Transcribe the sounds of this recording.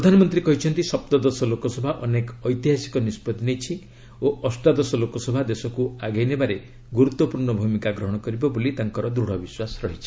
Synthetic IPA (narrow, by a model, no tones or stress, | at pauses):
pɾɔd̪ʱanɔmɔnt̪ɾikɔɦit͡ʃʰɔnt̪isɔp̚t̪ɔd̪ɔsɔlokɔsɔbʱaʔɔnekɔɔjt̪iɦasi̥kɔnispɔd̪nejt͡ʃʰi | oʔɔsʈad̪ɔsɔlokɔsɔbʱad̪esɔkuaɡejnebaɾe | ɡuɾut̪ːɔpuɾɳɔbʱumikaɡɾɔɦɔɽ̃ɔkɔɾibɔbolit̪aŋkɔɾɔd̪ɾuɽ̤ɔbiswasɾɔɦit͡ʃʰi̥